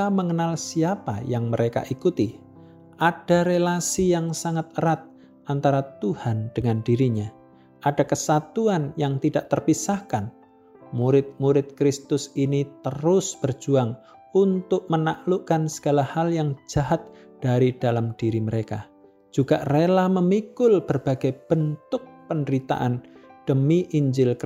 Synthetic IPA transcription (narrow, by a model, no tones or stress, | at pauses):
aməŋənalsiapa̰jaŋməɾeka̰ʔikut̪i | ʔad̥aɾelasijaŋsaŋat̪̚əɾat̪̚ | ʔant̪aɾat̪uhand̥əŋandiɾiɲa | ʔadakəsat̪uanjaŋt̪idaʔt̪ərpisahkan | muɾɪt̪̚muɾɪt̪̚kɾɪst̪ʊsinit̪əɾʊsb̥ərd͡ʒuaŋ | unt̪ʊk̚mənaʔluʔkansə̥ɡ̥alahaljaŋd͡ʒaɦat̪̚ | d̥aɾid̥alamd̥iɾiməɾeka̰ | d͡ʒ̥uɡ̥aʔrelahməmikʊlb̥ərb̥aɡ̥ajb̥ənt̪ʊk̚pəndəɾit̪a̰ʔand̥əmiʔiɲd͡ʒɪlk